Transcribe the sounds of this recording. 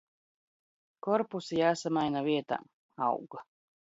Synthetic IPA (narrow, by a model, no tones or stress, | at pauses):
kɔɾpusijaːsamajnaviɛt̪a̰ | a̰wɡa